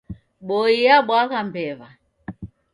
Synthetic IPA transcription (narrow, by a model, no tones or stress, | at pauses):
ɓɔijaɓwaɣambɛβa